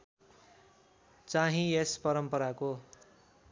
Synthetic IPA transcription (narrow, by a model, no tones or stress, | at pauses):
t͡saɦĩespʌɾʌmpʌɾako